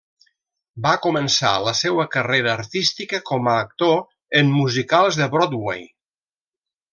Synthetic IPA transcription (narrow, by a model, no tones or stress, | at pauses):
bakumənsa̰ləsewəkəreɾəːɾt̪ist̪ikəkɔməːk̚t̪o | əmːuzikalˠzðəβɾɔd̪wḛj